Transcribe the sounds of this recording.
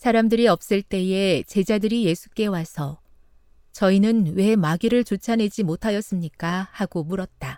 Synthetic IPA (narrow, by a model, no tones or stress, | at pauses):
sʰaɾamdɯɾiʌp̚s͈ɯɭt͈e̞e̞t͡ɕe̞d͡ʑadɯɾije̞sʰu̥k͈e̞wasʰʌ | t͡ɕʌinɯnwe̞maɡiɾɯɭt͡ɕot͡ɕʰane̞d͡ʑimotʰajʌs͈ɯmɲik͈ahaɡomuɾʌt̚t͈a